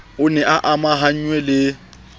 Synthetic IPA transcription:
ʊnɛʔaʔamaɦaɲ̩ɲwɛlɪ

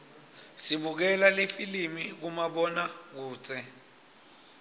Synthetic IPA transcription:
siɓuk̬ɛlalefilimik̬umaɓɔnak̬uːt͡sʼʰɛ

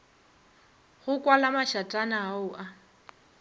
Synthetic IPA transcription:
ɣʊkʼwalamaʃatʼanaːʊʔa

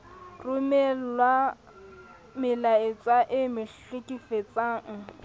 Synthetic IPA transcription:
rʊmɛllwa | mɪlaɪt͡sʼaʔɪmɪɬɪkʼifet͡sʼaːŋ̩

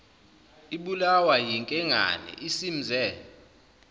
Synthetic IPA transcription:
iɓulawajiŋkʼɛŋa̰nɛ̰ʔisim̩zʱɛ

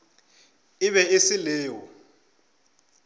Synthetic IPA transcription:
ɪβɛesilɛːwɔ

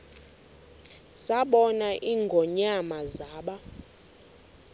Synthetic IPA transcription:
saɓɔnaʔiŋɡʱɔɲamazaːɓa

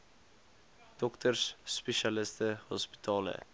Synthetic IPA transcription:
d̪̥ɔkt̪ʰəɾʂːpɛʃalɪst̪əhɔ̰spɪ̥t̪ʰɑːlə̰

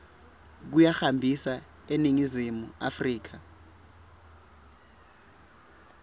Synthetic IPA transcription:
k̬ujaxambʱisa | eniŋizimua̰friːk̬a

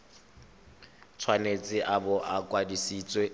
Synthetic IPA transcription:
t͡sʰwanet͡sʼɪʔabɔʔakʼwadisiːt͡sʼwe

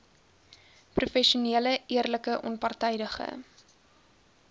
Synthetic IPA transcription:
prufɛʃuniələiərləkəʔɔ̰npɐrtɛjdəχə̰

